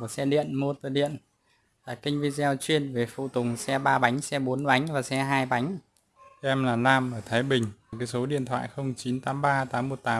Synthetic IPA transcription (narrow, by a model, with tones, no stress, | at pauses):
sɛ˧ɗḭ˧˨ənmo˧ət̪ɨː˨˩ɗḭ˧˨ən | la̰ː˨˩kï˧ŋ̟vi˧zɛ˧wt͡ɕwi˧ənve˨˩fṵ˧˨t̪ʊ˨˩ŋ͡msɛ˧ɓaː˧ɓa˨˦jŋ̟sɛ˧ɓo˨˦nɓa˨˦jŋ̟vaː˨˩sɛ˧ɦaː˧jɓa˨˦jŋ̟˧ | ʔɛ˧mlaː˨˩laː˧mʔəː˧˩t̪ʰaː˨˦jɓï˨˩ŋ̟˨˩kaː˨˦jso˨˦ɗḭ˧˨ənt̪ʰwa̰ː˧˨jxə˧wŋ͡mt͡ɕi˨˦nt̪aː˨˦mɓaː˧t̪aː˨˦mːo˨˩t̚t̪aː˨˦